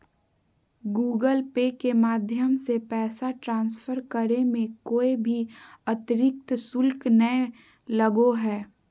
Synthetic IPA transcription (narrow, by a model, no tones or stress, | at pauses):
ɡuːɡəlpekemaːd̪ʱjəmsepɛːsaʈɾãːnsfʰəɾkəɾemẽkoːibʱiɐt̪ɪɾɪk̚t̪sʊlknə | ləɡoɦɛː